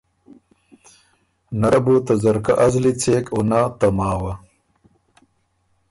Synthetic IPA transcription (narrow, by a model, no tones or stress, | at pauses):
nɐɾɐbut̪ɐzɐɾkɐʔɐzlit͡seːkonat̪ɐmaːwɐ